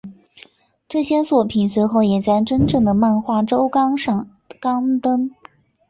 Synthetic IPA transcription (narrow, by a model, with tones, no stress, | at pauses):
ʈ͡ʂɤ˥˩ɕjɛ˥swɔ˥˩pʰi˨˩nswe˧˥ɪxo˥˩ʊjɛ˨˩t͡sa˥˧ɪʈ͡ʂə˥nʈ͡ʂɤ˥˩ŋd̪ə˩ma˥˧nxwa˥˩ʈ͡ʂo˥ʊkŋʂɑ˥˩ | kɑ˥ŋt̪ɤ˥ŋ